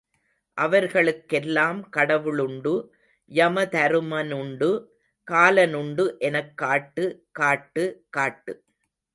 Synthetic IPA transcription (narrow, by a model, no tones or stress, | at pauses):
ʔɐʋɐɾɣɐɭɯkːɛlːaːmkɐɽɐʋɯɭʊɳɖɯ | jɐmɐt̪ɐɾɯmɐnʊɳɖɯ | kaːlɐnʊɳɖɯʔɛnɐkːaːʈːɯkaːʈːɯkaːʈːɯ